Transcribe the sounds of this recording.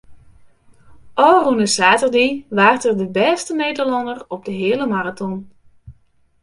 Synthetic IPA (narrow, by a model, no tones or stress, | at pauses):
ʔɔːrunəsaːtərdiʋaːrtərdəbɛːstənejdəɹlɑndərɔb̚dəɦɪːləmaratɔn